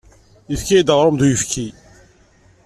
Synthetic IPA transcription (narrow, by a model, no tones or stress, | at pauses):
jəfkijid̪əʁɾˤʊmd̪ujəfkʰi